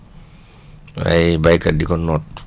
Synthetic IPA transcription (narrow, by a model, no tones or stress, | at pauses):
a̰jbajkːadikɔnːɔt̚